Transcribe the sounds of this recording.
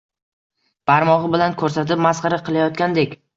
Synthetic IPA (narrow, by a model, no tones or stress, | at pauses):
b̥aɾmɒʁɨbɪlankʰɵɾsat̪ɪpmasqɑɾaqʰɨlˠajɒt̪̚kʲand̪ekʲ